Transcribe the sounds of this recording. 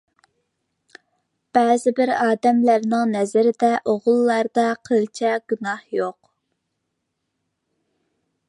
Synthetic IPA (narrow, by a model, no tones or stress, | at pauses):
b̥ɛːzɪbɪɾɑːd̪ɛmlæɾnɪŋnɛzɪɾɪd̪ɛʔoʁʊlˠːɑɾd̪ɑqʰəlt͡ʃʰɛɡunɑhjoq